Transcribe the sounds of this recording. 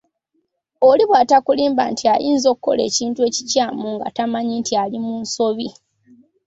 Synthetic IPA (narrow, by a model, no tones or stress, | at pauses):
oliβwatakuliːmba̰ntʰiajiːnzo̞kukːo̞̰lḛːciːntuwe̞ːcicaːmuŋɡa̰tamaɲintʰialimuːnso̞βi